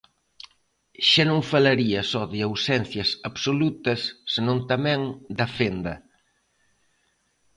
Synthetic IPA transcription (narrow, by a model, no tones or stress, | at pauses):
ʃanõŋfalɐɾiɐsɔðɪawsɛn̟θjɐsaβsolut̪ɐsːenõŋt̪ɐmɛ̃ŋd̪ɐfend̪ɐ